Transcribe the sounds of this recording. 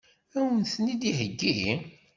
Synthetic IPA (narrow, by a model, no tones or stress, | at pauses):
æwənθnid̪ihəɡːi